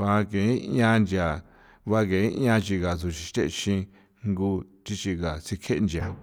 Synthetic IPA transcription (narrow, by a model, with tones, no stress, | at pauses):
βa˧kẽ˨˦ã˧nd͡ʒja˨ | βa˧kẽ˨˦˧ã˧t͡ʃi˧ɣa˨su˨ʃi˧t̪ḛ˦ʔʃĩ˧ | ŋɡu˧t͡ʃ̪i˧t͡ʃi˧ɣa˨si˧kʰe˦ʔnd͡ʒa˨